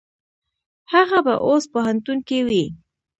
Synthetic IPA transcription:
haɣaba̰ʔospoɦant̪unkewi

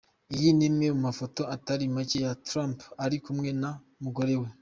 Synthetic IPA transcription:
ijinimŋemumafo̞to̞ataɾimacejatɾampaɾikumŋe̞na | muɡo̞ɾe̞we

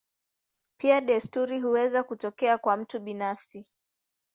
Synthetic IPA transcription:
piaɗɛstuɾiɦuwɛzakutɔkɛakwam̩tuɓinafsi

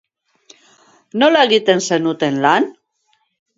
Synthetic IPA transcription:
no̞laeɣit̪e̞nse̞nut̪e̞nlan

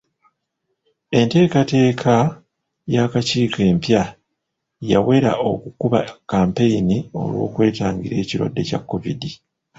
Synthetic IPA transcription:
e̞nte̞ːkate̞ːkʰa | jaːkaciːke̞ːmpja | jawe̞ɾa̰ʔo̞̰kukuβakaːmpe̞jinio̞̰lwo̞̰ːkwe̞ːtaːŋɡiɾe̞ːciɾwa̰dːe̞ca̰kːovidi

